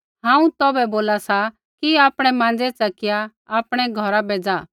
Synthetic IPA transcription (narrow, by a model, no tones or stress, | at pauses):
ɦãːũt̪ɔːbɛboːlasa | kiaːpɽ̃ɛmãːnd͡zɛt͡sɐkɪja | aːpɽ̃ɛɡʱɐɾabeːd͡zaː